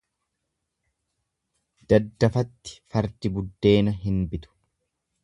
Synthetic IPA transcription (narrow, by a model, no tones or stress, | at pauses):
d̪̥ɐd̪ːɐfɐt̪ːɪ̥fɐɾd̪ɪbʊd̪ːe̞ːnɐɦɪnbɪt̪ʊ̥